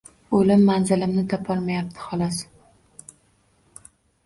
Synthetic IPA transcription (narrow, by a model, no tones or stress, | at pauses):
olɪmːanzɪlɪmnɪd̪apʰɒlˠmajap̚t̪ʰɪ̥hɒlˠɒs